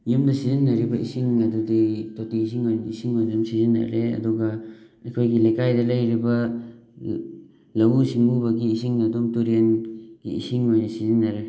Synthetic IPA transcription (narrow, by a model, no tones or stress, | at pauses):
jumdɐsizinːɐɾibɐisiŋɐduditotiːs̬iŋojnaisiŋojnaumsizinːa̰ɾeɐ̰duɡɐ | ɐjkʰojɡilajkajdɐlɐjɾibɐ | lɐusiŋbubɐɡiːsiŋːɐdumtuɾienɡḭːsiŋojnɐsizinːaɾe